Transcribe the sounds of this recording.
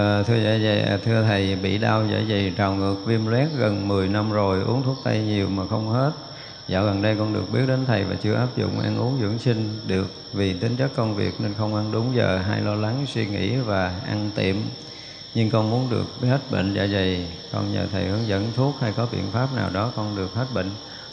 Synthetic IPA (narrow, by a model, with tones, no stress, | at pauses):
t̪ʰɨ˧əza̰ː˧˩za̰˧˩˨t̪ʰɨ˧ət̪ʰə˨˩jɓḭ˧˨ɗaː˧wzə̰ː˧˩jzə˨˩jt͡ɕa˨˩wŋɨ˨˩ək̚vi˧mlwɛ˦˥t̚ɣə˨˩nmɨ˨˩əjna˧mzo˨˩jʔu˨˦əŋt̪ʰu˦˥ək̚t̪a˧jɲi˨˩əwmaː˨˩xə˧wŋ͡mhe˦˥t̚ | za̰ː˧˩ɣə˨˩nɗə˧jkɔ˧nɗɨ˨˩ək̚ɓi˦˥ət̚ɗe˨˦nt̪ʰə˨˩jva̰ː˨˩t͡ɕɨ˧əʔaː˦˥p̚zʊ̰˧˨ŋ͡mʔa̰ː˧nʔu˨˦əŋzɨ̰˧˥əŋsï˧ŋ̟ɗɨ˨˩ək̚vi˨˩t̪ï˨˦ŋt͡ɕə˦˥kːə˧wŋ͡mvḭ˨˩ək̚ne˧nxə˧wŋ͡mʔa˧nɗʊ˨˦ŋ͡mzə̰ː˨˩ɦa̰˧jlɔ˧la˨˦ŋswi˧ŋḭ˧˥vaː˨˩ʔa˧nt̪ḭ˧˨əm | ɲɨ˧ŋkɔ˧nmu˨˦ənɗɨ̰˨˩ək̚he˦˥t̚ɓḭ˧˨ŋ̟za̰ː˧˩zə˨˩jkɔ˧nɲə̰ː˨˩t̪ʰə˨˩jhə̰˧˦nzə̰˧˥nt̪ʰu˦˥ək̚ha˧jkɔ˨˦ɓḭ˧˨ənfaː˦˥p̚na̰ː˨˩wɗɔ˨˦kɔ˧nɗɨ˨˩ək̚he˦˥t̚ɓḭ˧˨ŋ̟